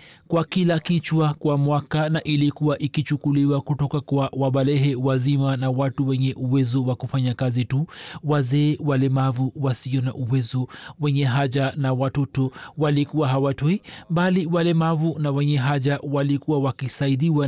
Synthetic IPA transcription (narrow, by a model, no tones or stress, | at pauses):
kwakilakit͡ʃwakwamwakanaʔilikuwaʔikit͡ʃukuliwakutɔkakwawaɓalɛɦɛwazimanawatuwɛɲɛʔuwɛzɔwakufaɲakazituwazɛːwalɛmavuwasiɔna̰ʔuwɛzɔwɛɲɛɦaʄanawatɔtɔwalikuwaɦawatɔimbaliwalɛmavunawɛɲɛɦaʄawalikuwawakisaiɗiwa